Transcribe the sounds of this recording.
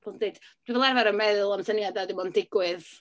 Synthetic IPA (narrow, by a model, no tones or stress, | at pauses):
ɔlˠdejd̥d̥wivɛlˠarvaɾəmɛðlˠamsənjadadɪmɔndɪɡwɪð